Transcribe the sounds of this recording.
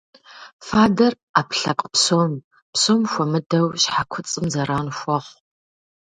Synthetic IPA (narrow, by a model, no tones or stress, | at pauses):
faːdɐr | aːpɬɐ̰pʼpsoːm | psoːmxʷɔmɨdɐwɕħakʷʰʊt͡sʼɨmzɐraːnxʷɔχʷ